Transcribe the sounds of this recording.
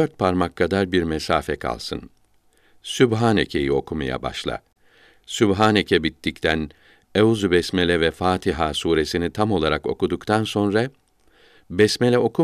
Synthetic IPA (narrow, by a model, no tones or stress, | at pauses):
d̪øɾt̪̚pʰaɾmakʰːad̪aɾbiɾmɛsaːfɛkʰa̰lˠsɯn | sybɦaːnḛcʰe̞jio̞kʰuma̰ja̰ba̰ʃlˠa̰ | sybɦaːnecʰɛbit̪ːict̪ʰæn | euzubɛsmelʲɛvɛfaːt̪ʰiɦaːsuːɾe̞sinit̪ʰamo̞lˠaɾako̞̰kud̪ukt̪ʰanso̞nɾa | bɛsmɛlʲɛo̞kʰu